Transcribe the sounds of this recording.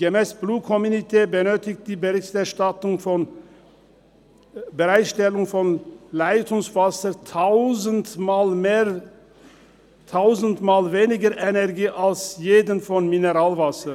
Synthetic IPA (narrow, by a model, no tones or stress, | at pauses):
ɡəmɛːsb̥luːkʰɔmunitʰeːbənøːtɪçt̚d̥̪iːbəʁɪçtɛʁʃtatʊŋfɔn | bəʁaɪtʃtɛlʊŋfɔnlaɪtʰʊŋsv̥asəɾtʰaʊzənmaːlmeː | t̪ʰaʊzəntmaːlveːnɪɡəɾʔɛnɛʁɡiːʔalsjeːdənfɔnmɪnəʁaːlvasə